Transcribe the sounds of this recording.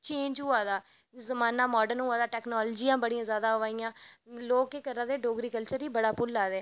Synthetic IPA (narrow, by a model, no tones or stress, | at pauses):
t͡ʃẽːɲd͡ʒɦʊaːd̪aː | zəmaːnaːmɔːɖənɦʊaːd̪aːʈɛːknɔːld͡ʒiːãːbəɽiːãːzjaːd̪aːɦaːijãːloːkeːkəɾãːd̪eːɖoːɡɾiːkəlt͡ʃəɾiːbəɽaːpʊlːaːd̪eː